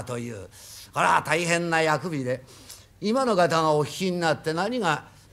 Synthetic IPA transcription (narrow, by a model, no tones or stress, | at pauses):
t̪o̞jɯ̰ːkaɾa̰t̪aiɦẽ̞nːajakɯ̟bʲid̪e̞ | imano̞ɡat̪aŋaokʲi̥kʲiɲ̟inat̪ːe̞naɲ̟iŋa